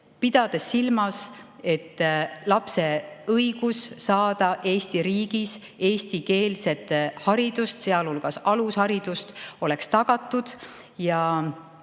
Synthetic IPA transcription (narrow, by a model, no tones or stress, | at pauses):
pid̪̥ɑd̪̥esːilmɑse̞t̪ːlɑpse̞ɤiɡ̥usːɑːd̪̥ɑʔe̞ːst̪iɾiːɡ̥is | e̞ːst̪ike̞ːlse̞t̪ːˑhɑɾid̪̥ust̪se̞ɑlhulɡ̥ɑsɑlushɑɾid̪̥ust̪o̞le̞kst̪ɑɡ̥ɑt̪ːˑud̪̥ | jɑ